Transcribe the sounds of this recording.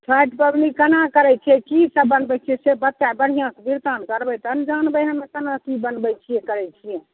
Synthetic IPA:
t͡ʃʰaʈpəbnikənakəɾɛt͡ʃʰiɛkisəbːənbɛt͡ʃʰiɛsebət̪ːabəɽ̤ijãkebiɾt̪ankəɾbɛjt̪ənd͡ʒanbəjɦəmekənakibənbɛt͡ʃʰijɛkəɾɛjt͡ʃʰijɛ

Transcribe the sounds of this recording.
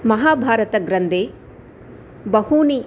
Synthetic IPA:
mɐɦaːbʱaːɾɐt̪ɐɡɾɐnd̪ʱeː | bɐhuːni

